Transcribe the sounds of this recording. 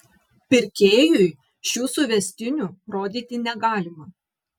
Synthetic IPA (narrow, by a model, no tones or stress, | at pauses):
pʲɪɾʲkʲeːjʊj | ʃʲuːsʊʋʲɛsʲt̪ʲɪnʲuɾoːd̪ʲiːt̪ʲɪnʲɛɡɑːlʲɪmɐ